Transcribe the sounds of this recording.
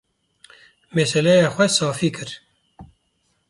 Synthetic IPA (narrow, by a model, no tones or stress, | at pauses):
mɛsɛlɛjaːxʷɛsɑːfiːkʰɨɾ